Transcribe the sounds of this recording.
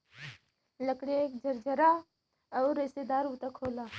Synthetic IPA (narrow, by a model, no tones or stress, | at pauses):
ləkɽeekd͡ʒʱəɾd͡ʒəɾaː | ɔːɾɪst̪ed̪aːɾuːt̪akʰoːlaː